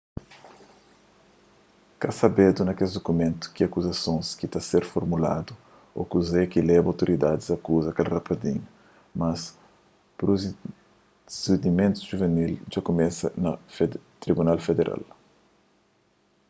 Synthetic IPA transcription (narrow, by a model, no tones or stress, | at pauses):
kasɐbed̪unɐkeld̪okumẽnt̪u̥kiɐkuzɐsõskit̪aseɾfoɾmula̰d̪u | o̰kuzɛkilɛbawt̪oɾid̪ad̪izɐkuzɐkɛlrɐpɐd̪ĩɲu | mɐs | pɾu | sed̪imẽnt̪u̥ʒuvenild͡ʒakomɛsɐnɐft̪ɾibunalfed̪eɾʔa̰l